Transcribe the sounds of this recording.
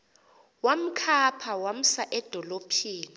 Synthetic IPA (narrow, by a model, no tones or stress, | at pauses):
wam̩kʰapʰawam̩saʔɛd̥ʱɔlopʰiːni